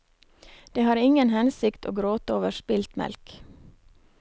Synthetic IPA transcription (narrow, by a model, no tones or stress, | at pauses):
d̪̥eːhɑːɾɪŋənhɛnsɪkt̪ʰo̰ːɡɾoːt̪əoːʋəʃpɪlt̪mɛ̰lk